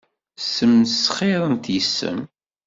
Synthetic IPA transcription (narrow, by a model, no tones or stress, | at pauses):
sːəmsχeɾˤənt̪jəsːə̰m